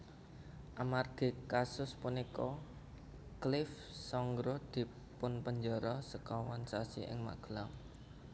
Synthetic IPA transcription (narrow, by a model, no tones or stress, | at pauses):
ʔamarɡ̥e̤kasʊspunikɔ | klɪf | sɔŋɡɾɔd̪̥i̤ | pʊnpəɲd͡ʒɔɾɔsəkɔwansasḭʔɪ̰ŋma̰ɡ̥əlaŋ